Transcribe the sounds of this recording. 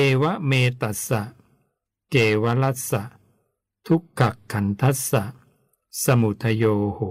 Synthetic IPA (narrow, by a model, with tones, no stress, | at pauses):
eː˧wa˦˥meː˧t̪a˨˩sa˨˩ʔ | keː˧˩wa˦˥la˦˥t̪̚sa˨˩ʔ | t̪ʰu˦˥kʰːa˨˩kʰːa˩˦nt̪ʰa˦˥sa˨˩ | sa˧mu˨˩t̪ʰːa˧joː˧ho˨˩˦